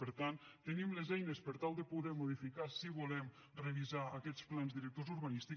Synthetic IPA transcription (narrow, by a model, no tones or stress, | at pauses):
pəɾt̪ant̪t̪ːənimləzɛjnəspəɾt̪alˠd̪əpuðɛmuðifikasiβulɛm | rəβizaəkɛt͡splanzðiɾək̚t̪ozuɾβənist̪i